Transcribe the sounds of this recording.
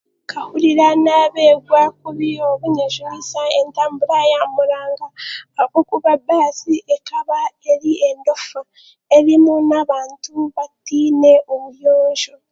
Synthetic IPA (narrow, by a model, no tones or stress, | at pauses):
kʰahuɾiɾanaβe̞ːɡwak̚uβioβuɲeʒohasaentaːmbuɾajamuɾaːŋɡaokukuβabaːsiʔekaβaeɾiendo̞fa | eɾimunaβaːntuβatiːneʔoβuβjoːɲʒo